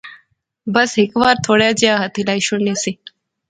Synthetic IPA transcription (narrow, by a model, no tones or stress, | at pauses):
bəsɦekʋaɾt̪ʰoɽjad͡ʒjaɦət̪ʰilajʃunesi